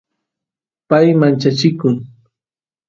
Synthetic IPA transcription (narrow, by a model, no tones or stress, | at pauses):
pajmant͡ʃat͡ʃɪkʊŋ